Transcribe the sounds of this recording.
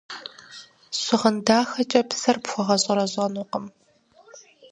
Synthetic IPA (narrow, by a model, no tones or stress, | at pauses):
ɕʷɪʁəndaːxɐt͡ʃʼɐpsɐrpxʷɔʁɐɕʼɪɾɐɕʼɐnuːqəm